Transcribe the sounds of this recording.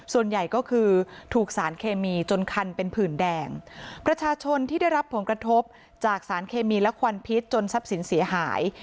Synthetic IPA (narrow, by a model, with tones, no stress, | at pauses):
su˨˩ənja˨˩jkɔː˥˩kʰɯː˧t̪ʰuː˨˩k̚saː˩˦nkʰeː˧miː˧t͡ɕo˧nkʰa˧npe˧npʰɯː˨˩ndɛː˧ŋpɾa˧t͡ɕʰaː˧t͡ɕʰo˧nt̪ʰiː˥˩da˥˩jɾa˦˥pʰːo˨˩˦nkɾa˧t̪ʰo˦˥p̚ | t͡ɕaː˨˩k̚saː˩˦nkʰeː˧miː˧lɛ˦˥kʰwa˧npʰi˦˥t̪̚t͡ɕo˧nsa˦˥p̚si˩˦nsi˩˦ɐɦa̰ː˩˦j